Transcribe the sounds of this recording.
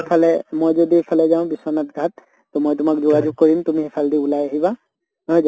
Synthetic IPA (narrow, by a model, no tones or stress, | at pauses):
pʰalɛmojzodiɦɛpʰalɛzaʊ̃bisɔnatɡʱatː | ɔmojtʊmakzʊɡad͡ʒʊɡ̚kɔɹimtʊmiɦipʰaldiulajaɦiba | njz